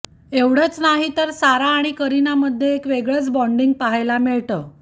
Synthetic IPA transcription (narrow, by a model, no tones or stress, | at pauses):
eʋɽ̤ət͡snaɦit̪əɾsaɾaːɽ̃ikəɾinaməd̪ʱːjeːkʋeɡɭət͡sbɔɳɖiŋɡ̚paɦajlamiɭt̪əː